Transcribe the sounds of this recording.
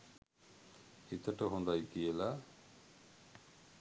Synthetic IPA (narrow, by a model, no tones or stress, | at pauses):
it̪ʰəʈəɦũnd̪ajkijela